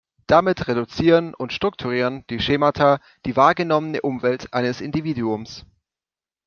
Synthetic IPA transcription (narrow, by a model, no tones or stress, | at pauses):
d̥amɪtʁedut͡siːʁənʊntʃtʁ̥ʊk̚tʰuʁ̞iːʁənd̥iːʃeːmatʰa | d̥iːvaːɐɡənɔmənəʔʊmvɛltʔaɪnəsʔɪndiviːduʊms